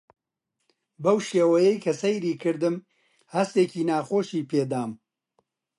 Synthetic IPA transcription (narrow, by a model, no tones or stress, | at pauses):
bɐwʃeːwɐjɛjkʰɐsɐjɾiːkʰɨɾd̪ɨm | hɐst̪eːkiːnaːxoːʃiːpʰeːd̪aːm